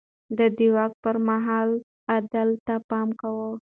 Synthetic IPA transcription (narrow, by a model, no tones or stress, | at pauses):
d̪əd̪iwɑk̚pəɾmaɦɑl | ad̪alt̪apɑmkawə